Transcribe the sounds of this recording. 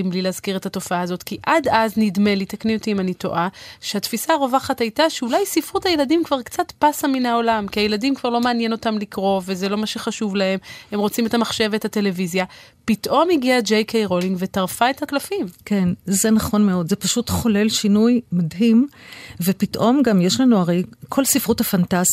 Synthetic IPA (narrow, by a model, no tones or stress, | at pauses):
imblileːzkiʁethato̞faaːzo̞tkiʔadaznidme̞litakniotiːmanito̞̰ʔaʃehatfisaʁo̞vaχathajtaʃeulajsifʁutajeladimkvaʁkt͡sat̪pasaminao̞lamkiaje̞ladimkvaʁlo̞meːnjeno̞tamlikʁo̞ve̞zelo̞maʃeχaʃuvlahe̞mhe̞mʁo̞t͡sime̞thamaχʃe̞vethate̞le̞vizjapitʔo̞mhiɡiad͡ʒejkʰejʁo̞liŋɡve̞taʁfae̞thaklafimke̞nzenaχo̞nmeo̞d̪zepaʃutχo̞le̞lʃinujmadɦimvepitʔo̞mɡamjeʃlanuaʁejkʰo̞lsifʁuthafantaz̥